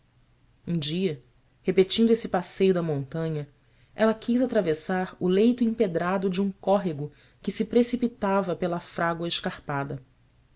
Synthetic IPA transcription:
ũd͡ʒiɐ | hepet͡ʃĩnd̪esɪpasejʊd̪ɐmõnt̪ɐ̃ɲɐ | ɛlɐkʰizat̪ɾavesaɾʊlejt̪ʊĩped̪ɾad̪ʊd͡ʒɪũkɔɦiɡʊ | kɪsɪpɾesipit̪avɐpelɐfɾaɡwɐeʃkaɾpad̪ɐ

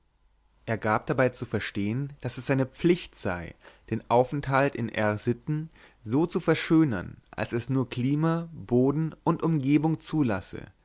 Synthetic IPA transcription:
ʔeːɐɡaːp̚d̥abaɪt͡sufɛɐʃteːənd̥asɛsz̥aɪnəp͡flɪçtz̥a̰ɪd̥eːnʔaʊfɛnthaltɪnʔɛʁzɪtn̩ | zoːt͡sufɛɐʃøːnɐ̰nʔa̰lsɛsnuːɐkl̥iːmaboːdn̩ʊntʔʊmɡeːbʊŋt͡suːlasə̰

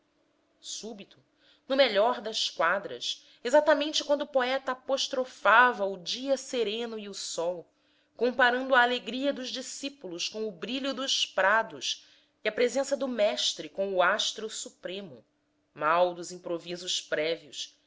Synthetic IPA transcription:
subit̪ʊ̥ | nʊmeʎɔɾd̪ɐskwad̪ɾɐ̰s | ezat̪ɐmẽnt͡ʃɪkwɐ̃nd̪ʊʊpoɛt̪ɐːpoʃt̪ɾofavɐʊd͡ʒiɐseɾẽnʊiʊsɔw | kõmpaɾɐ̃nd̪ʊɐːleɡɾiɐd̪ʊʒd͡ʒisipulʊskõw̃ʊbɾiʎʊd̪ʊʃpɾad̪ʊs | iɐpɾezẽsɐd̪ʊmɛʃt̪ɾɪkõw̃ʊaʃt̪ɾʊsupɾẽmʊ̰ | mawd̪ʊzĩpɾovizʊspɾɛviʊs

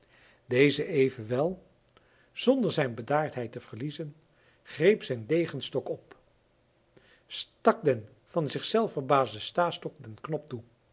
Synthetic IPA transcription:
dejzəʔejvənʋɛlˠ | z̥ɔndəɹzɛjnbədaːɹtɦɛjtəv̥əɹlizən | χrejpsɛjndejχənstɔkɔp | stɑkdɛn | v̥ɑnzɪχsɛlˠfəɹbaːzdəstaːstɔk̚dɛnknɔp̚tu

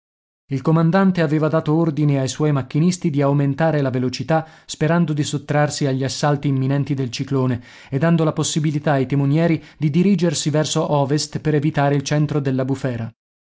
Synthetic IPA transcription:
ilkomand̪ant̪eaveːvad̪aːt̪oord̪ineajswɔjmakːinist̪id̪iawment̪aːɾelavelot͡ʃit̪aspeɾand̪od̪isot̪ːɾarsiaʎːiasːalt̪iːmːinɛnt̪id̪elt͡ʃikloːne | ed̪ːand̪olaposːibilit̪aajt̪emonjɛːɾid̪id̪iɾiːd͡ʒersivɛrsoʔɔːvest̪peɾevit̪aːɾeilt͡ʃɛnt̪ɾod̪elːabufɛːɾa

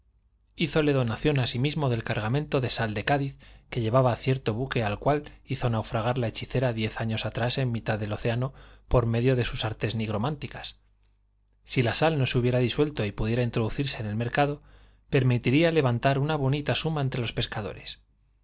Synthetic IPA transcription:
iθo̞le̞ð̞o̞naθjo̞nasimizmo̞ðe̞lkaɾɣamẽnt̪o̞ðe̞sald̪e̞kaðiθke̞ʎe̞βaβaθje̞ɾt̪o̞βuke̞alkwaliθo̞nawfɾaɣ̞aɾlae̞t͡ʃiθe̞ɾaðje̞θaɲo̞sat̪ɾase̞mːit̪aðe̞lo̞θe̞ano̞po̞ɾme̞ðjo̞ð̞e̞susaɾt̪e̞zniɣɾo̞mant̪ikḁs | silasalno̞suβje̞ɾaðiswe̞lt̪o̞ipuðje̞ɾaint̪ɾo̞ðuθiɾse̞ːne̞lme̞ɾkaðo̞ | pe̞ɾmit̪iɾiale̞βant̪aɾunaβ̞o̞nit̪asumaent̪ɾe̞lo̞spe̞skaðo̞̰ɾe̞s

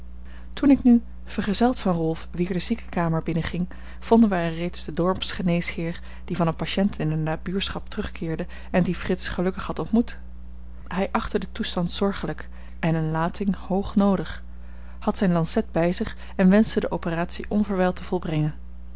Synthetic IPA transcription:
tunɪkny | v̥əɹχəzɛlˠtfɑnrɔlˠfʋɪːɹdəzikə̥kaːməɹbɪnəχɪŋ | v̥ɔndənʋəɛrejtsd̥ədɔɹpsχənejshɪːɹ | d̥ivɑnənpaʃɛntɪnənːaːbyːɹsχɑp̚tərɵχkɪːɹdə | ɛndifrɪtsχəlɵkəχhɑtɔntmut | ɦɛjʔɑχtədətustɑntsɔɹχələk | ɛnənlaːtʰɪŋhowχnowdəχ | hɑtsɛjnlɑnsɛd̚bɛjzɪχ | ɛnʋɛnstədəʔowpəraːtsiʔɔnvəɹʋɛlˠtʰəv̥ɔlˠbrɛŋən

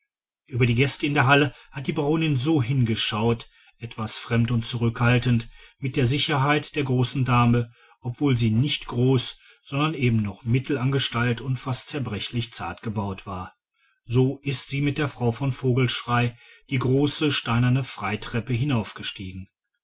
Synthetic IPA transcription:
ʔyːbɐɾiːɡɛstəɪndeːɐɦaləhat̚d̥iːbʁoːnɪnzoːɦɪnɡəʃaʊt | ʔɛtv̥asfʁ̥ɛmtʊnt̚t͡suʁ̞ʏkhaltəntmɪt̚d̥eːɐzɪçɐɦaɪtd̥eːɐɡʁoːsn̩daːmə | ʔɔpv̥oːlziːnɪçtɡ̥ʁoːs | z̥ɔndɐnʔeːbm̩nɔχmɪtl̩anɡəʃtaltʊntfastt͡sɛɐbʁɛçlɪçt͡sa̰ɐtɡ̥əbaʊtv̥aːɐ | zoːʔɪstz̥iːmɪt̚d̥eːɐfʁ̥aʊfɔnfoːɡl̩ʃʁ̥aɪd̥iːɡʁoːsəʃtaɪnɐnəfʁ̥aɪtʁ̥ɛpəɦɪnaʊfɡ̥əʃtiːɡŋ̩

